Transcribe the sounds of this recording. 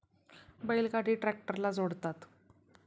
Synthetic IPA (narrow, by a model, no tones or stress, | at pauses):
bəilkaɖiːʈɾæk̚ʈəɾlad͡zoɽt̪at̪